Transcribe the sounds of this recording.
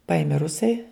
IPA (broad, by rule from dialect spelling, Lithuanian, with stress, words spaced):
ˈpɐɪmʲeː ˈrʊsɐɪ